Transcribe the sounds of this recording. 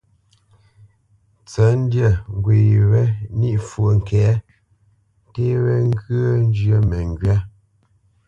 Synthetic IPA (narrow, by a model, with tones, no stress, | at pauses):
t͡sə˨˦n̩˦djə˨ŋ˨ɡwe˨ɾɛ˦ni˦ʔfwə˨ŋ̩˨kɛː˨˦ | te˦ɾɛ˦ŋ˦ɡə˦n˦d͡ʒjə˦mɛ˨ŋɡɥa˦